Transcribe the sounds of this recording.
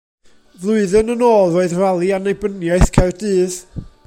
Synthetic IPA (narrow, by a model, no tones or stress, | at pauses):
vlˠʊɨðɨnənoːlˠroːɨðralˠianejbənjaɨθkʰɛwdɨːð